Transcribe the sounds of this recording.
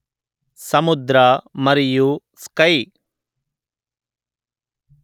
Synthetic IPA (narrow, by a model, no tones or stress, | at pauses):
sɐmud̪ɾɐmɐɾiju | skɐj